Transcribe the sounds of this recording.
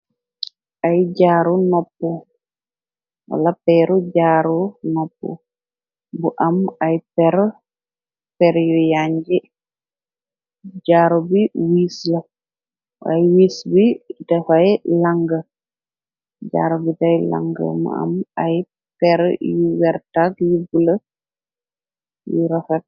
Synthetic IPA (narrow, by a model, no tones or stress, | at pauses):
ʔajd͡ʒaːɾunɔpːɔ | wa̰lapɛɾud͡ʒaːɾunɔpːṵ | buʔamajpɛɾ | pɛɾjujaɲd͡ʒɛ | d͡ʒaːɾɔbiwiːslɐ | wa̰jwiːsbidɛfajlaŋɡə | d͡ʒa̰ɾɔbitajla̰ŋɡə̰mṵa̰maj | pɛɾjuwɛɾtakjubulə | juɾɔfɛt̚